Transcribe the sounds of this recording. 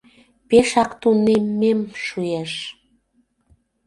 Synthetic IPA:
peʃɑkt̪unemːemʃueʃ

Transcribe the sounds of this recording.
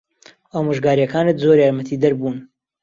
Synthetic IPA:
aːmoʒɡaːɾjɐkʰaːnɨt̪zoɾjaːɾmɐt̪ʰiːd̪ɐɾbuːn

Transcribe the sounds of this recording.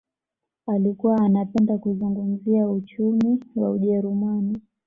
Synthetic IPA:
alikuwaːnapɛndakuzuŋɡum̩ziaut͡ʃumiwauʄɛɾumani

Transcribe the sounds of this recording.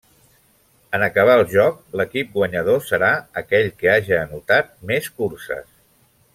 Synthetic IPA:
ənəkəβ̞aəlˠʒɔkləkip̚ɡwəɲəðosəɾaəkɛʎkeaʒiːnut̪at̪̚meskuɾsə̰s

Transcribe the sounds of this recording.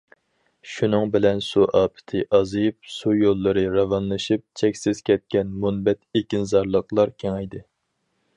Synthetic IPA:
ʃunɨŋbɪlɛnsuʔɑːpʰɪ̥t̪ʰɨʔɑzɨp̚sujolˠːɨɾɨɾɑvɑnlˠɨʃɨp̚t͡ʃʰɛkʲsɪz̥kʲʰɛt̪̚kʲɛnmunbɛt̪ekʲinzɑɾlˠəqlˠɑɾkʲʰeŋɛjd̪ɨ

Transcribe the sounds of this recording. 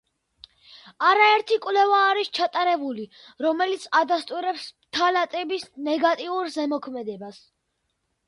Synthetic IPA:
aɾaɛɾt̪ʰikʼwlɛvaːɾist͡ʃʰat̪ʼaɾɛbuli | ɾɔmɛlit̪sʰad̪ast̪ʼuɾɛpsmt̪ʰalat̪ʼɛbisnɛɡat̪ʼiuɾzɛmɔkʰmɛd̪ɛbas

